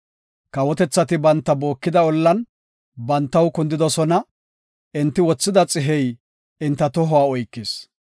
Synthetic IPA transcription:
kɐwɔt̪ɛt͡sːɐt̪ɪbɐnt̪ːɐbo̞ːkːɪd̪ɐɔlːɐn | bɐnt̪ːɐwkʊnd̪ɪd̪ɔsɔnɐ | ɪnt̪ːɪwɔt͡sːɪd̪ɐt͡sʼɪɦɛj | ɪnt̪ːɐt̪ɔɦɔwaːɔjkːɪs

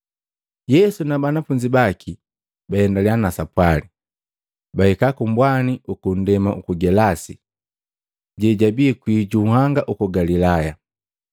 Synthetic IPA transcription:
jɛsunabanafuɲd͡ʒibakʰi | baɛndalianasapwali | bahɛkakumbwaniʔukun̩dɛmaukuɡɛlasi | ɟɛɟabiɛkwiːɟuːhaŋɡaʔukɔɡalilaja

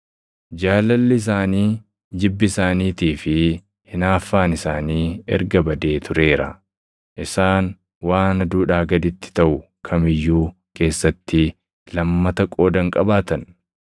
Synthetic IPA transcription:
d͡ʒaːlːɐlːɪɪs̬aːniː | d͡ʒɪbːɪɪsaːniːt̪iːfɪ | hɪnaːfːaːnɪsaːniːɛ̰ɾɡɐbɐd̪e̞ːt̪ʰʊɾe̞ːɾɐ̰ | ʔɪsaːn | waːnɐd̪uːᶑaːɡɐd̪ɪt̪ːɪ̥t̪ɐʔʊkʰɐmɪjːuː | ke̞ːsːɐt̪ːɪ | lɐmːɐt̪ɐkʼo̞ːd̪ɐŋkʼɐbaːt̪ɐn

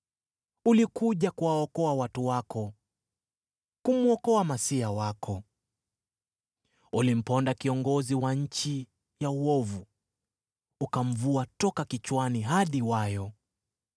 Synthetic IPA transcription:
ulikuʄakuwaɔkɔawatuwakʰɔ | kumuɔkɔamasiawakʰɔ | ulim̩pɔndakiɔŋɡɔziwaɲ̩t͡ʃi | jauɔvu | ukam̩vuatɔkakit͡ʃwaniɦaɗiwajɔ

